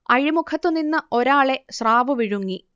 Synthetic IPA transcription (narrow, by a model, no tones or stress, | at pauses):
ɐɻimukʰɐt̪ːɨninːɨo̞ɾaːɭe̞sraːʋɨʋiɻuŋːi